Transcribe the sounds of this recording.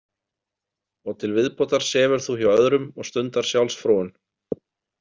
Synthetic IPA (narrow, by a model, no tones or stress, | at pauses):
ɔɣt̪ʰɪlvɪðpɔt̪aɾ̥sɛːvʏɾ̥θuhaœðɾʏmɔɣst̪ʏnt̪aɾ̥sjawlsfɾɔːwʏn